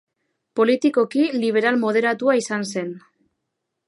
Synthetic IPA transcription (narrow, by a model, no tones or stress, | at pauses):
po̞lit̪iko̞kiliβ̞e̞ɾalmo̞ð̞e̞ɾat̪uaisanse̞n